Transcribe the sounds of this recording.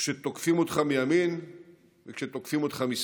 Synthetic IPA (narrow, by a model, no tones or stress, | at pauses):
ʃet̪okfimo̞t̪χamijamin | vekʃet̪okfimo̞t̪χamis